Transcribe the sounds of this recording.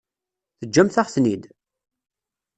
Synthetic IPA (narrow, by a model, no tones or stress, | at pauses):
θəd͡ʒːæmθaχθnid̪